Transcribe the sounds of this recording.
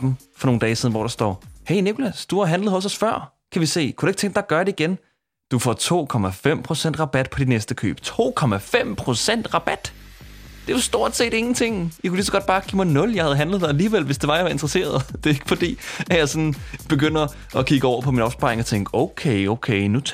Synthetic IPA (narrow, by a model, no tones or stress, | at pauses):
mfɒno̝ːn̩d̥ɛːsiðˠn̩ʋɒ̰ːɾ̥ɑ̈sd̥ɒ̰ːheɪne̝kʰolæsd̥uhɑɦænləð̩ˠhɒ̽sɒ̽sfɶɐ̰ | kʰæʋise̝̰ːkʰu̥ɾ̥ue̝ɡ̥t͡sʰeŋɡ̥d̥ɑ̈ɡ̥ɶɐd̥ɾeiɡ̥en | d̥ufɒ̰ːt͡sʰo̝̰ːkʰɒ̽mæfem̰pʰʁo̝sen̰d̥ʁɑ̈b̥æd̥̚pʰɒ̽d̥inesd̥əkʰø̰ːb̥t͡sʰo̝̰ːkʰɒ̽mæfem̰pʰʁo̝sen̰d̥ʁɑ̈b̥æd̥ | d̥e̝ʋɑsd̥o̝ɐ̰d̥se̝̰ːd̥e̝ŋn̩t͡sʰe̝ŋ̰jikʰuliːsɒɡ̥ɒ̽d̥̚b̥ɑ̈ːɡ̥ḭːmɑ̈ɪnɔ̽ljɑ̈ɪhæð̩ˠɦænləð̞̩ˠd̥ɑ̈æliːʋel̰ʋe̝sd̥e̝ʋɑ̈jɑʋɑ̈e̝nd̥ʁɐse̝̰ːɐðˠd̥e̝e̝ɡ̥əfɒ̽d̥ḭːæ̥jɑ̈ɪsɒ̽nb̥e̝ɡ̥øn̰ɐ | ɒ̽kʰiɡ̥əɒʊ̰ɐpʰɒ̽minɒ̈b̥sb̥ɑ̰̈ʁeŋɒt͡sʰeŋɡ̥ɔʊkʰeɪoʊkʰeɪnu